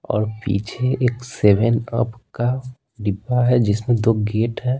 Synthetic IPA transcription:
ɔ̰ːɾpḭːt͡ʃʰeeːkseːʋənə̰pka | ɖɪbaɦɛd͡ʒɪsmẽd̪oːɡeːʈɦɛː

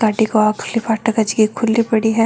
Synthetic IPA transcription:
kaːʈikoaːkʰlipaːʈɐkɐd͡ʒɡikʰʊlːibɐɽiɦɛː

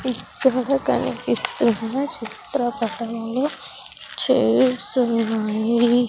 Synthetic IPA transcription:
ikːɐɽɐkɐ̰nḭkist̪unːɐt͡ʃit̪ɾɐpɐʈɐmlu | t͡ʃeːʈsunːaːji

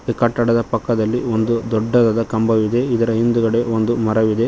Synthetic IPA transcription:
kɐʈːɐɽɐd̪ɐpɐkːɐd̪ɐlːiond̪ud̪ɔɖːɐd̪ɐd̪ɐkɐmbɐʋid̪e̞id̪ɐɾɐɦind̪uɡɐɽe̞ond̪umɐɾɐʋid̪e̞

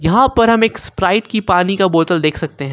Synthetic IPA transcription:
jɐɦãpɐɾɦɐmeːkspɾaːɪʈkipaːnikaboːt̪əld̪eːkʰsɐk̚t̪eɦɛ̃

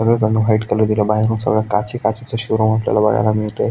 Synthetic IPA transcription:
əɡɭet̪anːuɦaiʈkeləd̪iləbaɦiɾuːnsə̰ɡɭjakat͡ɕikat͡ɕit͡səɕuɾomaplja̰laʋə̰ɽa̰lamiɭt̪e

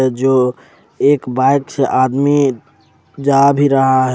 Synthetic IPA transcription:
d͡ʒo | eːkbaɪkseʔaːd̪mi | d͡ʒabʱiɾəɦaɦ

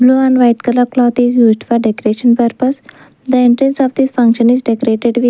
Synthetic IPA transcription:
bluːæ̃ɳɖʋaɪʈkələɾklɔːt̪izjuːzɖfɔɖekoɾeʃə̃npəɾpəs | d̪əĩɳʈɾẽnsɔfd̪isfə̃ŋkʃə̃nizɖekoɾeʈeɖʋi

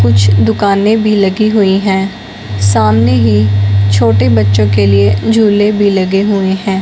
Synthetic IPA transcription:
kʊt͡ʃʰd̪ʊkaːnẽːbʱiːləɡiːɦʊiːɦɛ̃ː | saːmneːɦiːt͡ʃʰoːʈeːbətːʃõːkeːlɪeːd͡ʒʱuːleːbʱiːləɡeːɦʊeːɦɛ̃ː

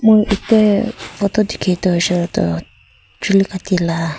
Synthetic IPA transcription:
moʔitɛfɔtɔdikʰetɔʃɛlɔtɔ̰ | t͡ʃulikatila

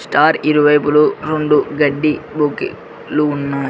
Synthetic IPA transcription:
sʈaːɾiɾuʋɐjpuluɾoɳɖuɡɐɖːibukḭ | luːnːaː

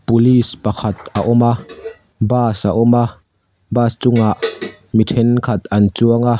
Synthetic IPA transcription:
pulispɐkʰɐt̪̚aʔʊma | baːsaʔʊma | baːst͡sʊŋaʔ | mit̪ʰɛnkʰɐt̪̚ɐnt͡suəŋa

